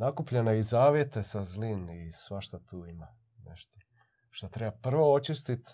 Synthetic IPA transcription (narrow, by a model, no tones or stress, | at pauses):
nakupʎeneizaːʋje̞t̪esazlinisʋaʃt̪at̪ʰuːima | neʃt̪o | ʃt̪ot̪ɾebapr̩ʋoot͡ʃist̪it̪